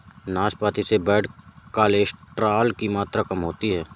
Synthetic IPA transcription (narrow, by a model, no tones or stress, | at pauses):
naːspaːt̪isebɛːɽkaːleːʃʈɾaːlkimaːt̪ɾakɐmɦoːt̪iɦɛː